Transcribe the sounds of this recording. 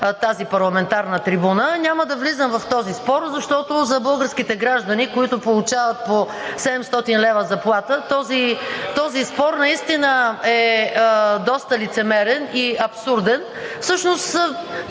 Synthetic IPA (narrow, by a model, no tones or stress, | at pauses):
t̪azipɐɾlˠɐmɛnt̪aɾnət̪ɾibunənʲaməd̪ɐvlizəmvɐft̪ɔzispɔɾzɐʃt̪ɔt̪ozɐbɤlˠɡəɾskit̪ɛɡɾaʒd̪ənikoit̪ʊpolˠut͡ʃavət̪̚po | sɛd̪ɛmst̪ɔt̪inlɛvəzɐplˠat̪ət̪ɔzit̪ɔzispɔɾnɐist̪inəɛ | d̪ɔst̪əlit̪sɛmɛɾɛniɐpsuɾd̪ɛn | fsɤʃnos